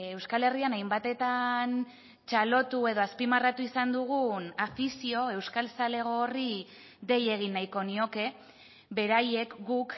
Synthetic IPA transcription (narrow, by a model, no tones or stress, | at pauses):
e̞wskale̞rianajmbat̪e̞t̪an | t͡ʃalo̞t̪ue̞ðo̞aspimarat̪uisand̪uɣ̞unafisio̞e̞wskalsale̞ɣ̞o̞ːri | ðe̞je̞ɣ̞inːajko̞nio̞ke̞ | be̞ɾaje̞kɡuk